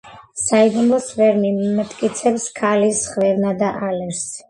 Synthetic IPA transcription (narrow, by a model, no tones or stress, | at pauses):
saiɡumlˠɔsvɛɾnimat̪ʼkʼit̪sʰɛpskʰalisχvɛɾnad̪aʔalɛɾs